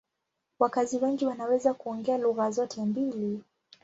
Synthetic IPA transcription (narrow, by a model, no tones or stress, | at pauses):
wakaziwɛŋɡiwanawɛzakuɔŋɡɛaluɣazɔtʰɛmbili